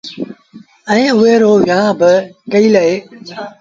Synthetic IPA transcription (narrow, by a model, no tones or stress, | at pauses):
ɛ̃ːʊɦeːɾoːʋjãːbɪkəiːləeː